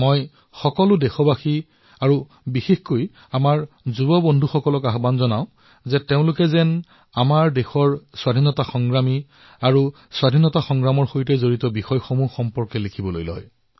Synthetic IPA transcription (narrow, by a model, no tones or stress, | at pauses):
moj | xɔkɔlʊdɛxɔbaxi | aɹu | bixexkoj | amaɹ | zubɔbɔndʱuxɔkɔlɔkaɦbanzɔnaʊ̃ | zɛteʊ̃lʊkɛzɛn | amaɹdeɛxɔɹswadʱinɔtaxɔŋɡɹami | aɹu | swadʱinɔtaxɔŋɡɹamɔɹxojtɛzoɹitɔbixɔjxɔmuxɔmpɔɹkɛlekʰibɔlojlɔ̰j